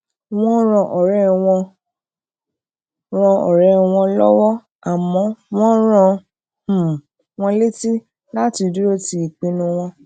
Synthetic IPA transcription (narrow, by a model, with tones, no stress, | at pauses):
w̃ɔ̃˦ɾ̃ɔ̃˧ʔɔ˨ɾɛ˦w̃ɔ̃˧ | ɾ̃ɔ̃˧ɔ˨ɾɛ˦w̃ɔ̃˧lɔ˦wɔ˦ | a˨mɔ̃˨˦w̃ɔ̃˦ɾ̃ã˧˨ | w̃ɔ̃˧le˦ti˦ | la˦ti˧du˦ɾo˦ti˧˦i˨k͡pĩ˨˦nũ˧w̃ɔ̃˧